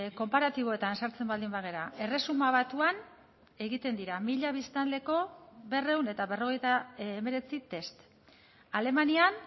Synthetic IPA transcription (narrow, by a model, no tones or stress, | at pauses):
ko̞mpaɾat̪iβ̞o̞e̞t̪ansaɾt͡se̞mbald̪imbaɣ̞e̞ɾae̞re̞sumaβat̪uan | e̞ɣit̪e̞nd̪iɾamiʎaβ̞ist̪anle̞ko̞βe̞re̞wne̞t̪aβe̞ro̞ɣ̞e̞jt̪aeme̞ɾe̞t͡sit̪e̞st̪ | ale̞manian